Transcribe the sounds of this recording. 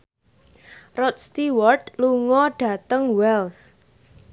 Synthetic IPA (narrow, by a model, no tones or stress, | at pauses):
rɔt̪̚st̪iwɔrt̪luŋɔɖ̥ä̤t̪əŋwɛls